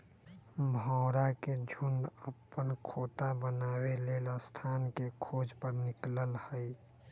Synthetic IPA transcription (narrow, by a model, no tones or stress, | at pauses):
bʱɔ̃ʊɾaked͡ʒʱʊɳɖəpːənkʰoːt̪abənaːweleːləst̪ʰaːnkekʰoːd͡ʒpəɾnɪkləlhəi